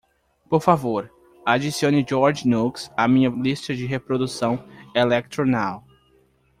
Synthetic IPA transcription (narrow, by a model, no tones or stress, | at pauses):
poɾfavoɾ | ad͡ʒisiõnɪd͡ʒɔɾd͡ʒnuksamĩɲɐlist̪ɐd͡ʒɪɦepɾod̪usɐ̃w̃elɛk̚t̪ɾonaw